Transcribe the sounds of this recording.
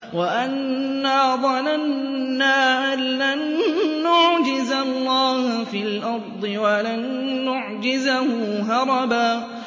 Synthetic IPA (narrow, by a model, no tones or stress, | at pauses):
waʔanː | aːðˤɑlanːaːʔanlanːʊʕd͡ʒɪzalːɑːhʊfiːlʔɑɾˤd̪ˤɨwalanːʊʕd͡ʒɪzahʊːɦɑɾˤɑbaː